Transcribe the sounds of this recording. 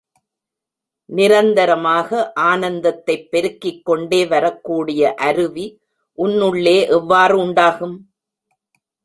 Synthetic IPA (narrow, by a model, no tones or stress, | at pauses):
nɪɾɐnd̪ɐɾɐmaːɣɐʔaːnɐnd̪ɐt̪ːɐɪpːɛɾɯkːɪkːɔɳɖeːʋɐɾɐkːuːɽɪjɐʔɐɾɯʋi | ʔʊnːɯɭːeːʔɛʋːaːrɯʊɳɖaːɣɯm